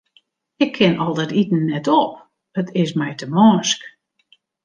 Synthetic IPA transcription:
ɪkʰːɪnɔlˠdɛtitn̩ːɛtɔp̚ | ətʰɪsmɛjtəmɔːsk

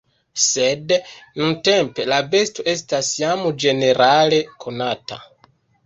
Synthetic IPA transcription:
sednuntempe̞labe̞stoʔe̞stasjamod͡ʒe̞ne̞ɾʔale̞kʰo̞nata̰

